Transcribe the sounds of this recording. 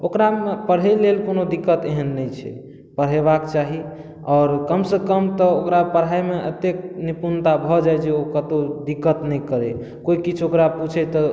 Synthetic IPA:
okɾaepəɽɦɛlelkonod̪ikːət̪eɦənːɛjt͡ʃʰɛ̰ | pəɽ̤eβakt͡ʃaɦi | ɔːɾkəmsə̃kəmt̪ɔokɾapəɽ̤ɦajmeʔət̪ek̚nipunt̪abʱɔd͡ʒajd͡ʒʰeokət̪od̪ikːət̪nɛkəɾe | koikit͡ʃʰokɾaput͡ʃʰɛt̪ɔ

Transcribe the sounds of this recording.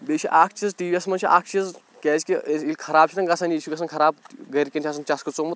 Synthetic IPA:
bet͡ʃʰiʔaːkʰt͡ʃʰizʈiːʋiɐsmɐnt͡ʃʰiʔa̰ːk̚ʰt͡ʃʰiz | kʲɛːt͡ʃʲkʲiilʲkʰɐɾaːb̚t͡ʃʰit̪ɐnɡɐsɐnʲiʃʰuɡɐsɐnkʰɐɾaːb̚ɡɐɾʲkʲinʲt͡ʃʰʲaːs̬ɐnt͡ʃɐskʰɐt͡soːmut̪

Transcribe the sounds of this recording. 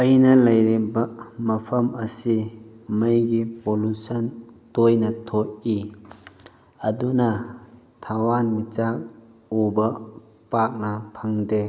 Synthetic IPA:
ɐjnɐlɐjɾibɐmɐpʰɐmɐsimɐjɡipolusɐntojnɐtʰok̚i | ɐdunɐ | t̪ʰawanmit͡ʃak̚ubɐ | pak̚nɐpʰɐŋde

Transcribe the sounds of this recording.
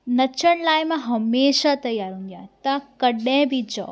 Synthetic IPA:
nɐt͡ɕʰəɽ̃laːɪmãɦɐmeːʃat̪ɐjaːɾɦũnd̪jãt̪akɐɗə̃ɪ̃bʱid͡ʑɔ̰ː

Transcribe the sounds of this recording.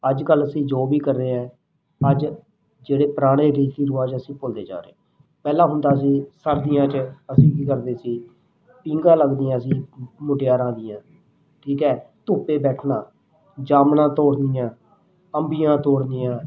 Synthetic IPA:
əd͡ʒkələsĩːd͡ʒoːbiːkəɾd̪eːãː | əd͡ʒ | d͡ʒeːɽeːpəɾaːɽ̃eːɾiːt̪iːɾʊʋaːd͡ʒəsĩːpʊld̪ḛːd͡ʒa̰ːɾḛː | pɛːlãːɦʊnd̪aːəsĩːsəɾd̪ɪjãːt͡ʃəəsĩːkiːkəɾd̪eːsiː | pĩːŋɡãːləɡd̪ɪjãːəsĩːmʊʈɪjaːɾãːd̪ɪjãː | ʈʰiːkɛːt̪ʊːpeːbɛːʈʰnãː | d͡ʒaːmnãːt̪oːɽd̪ɪjãː | əmbijãːt̪oːɽd̪ɪjãː

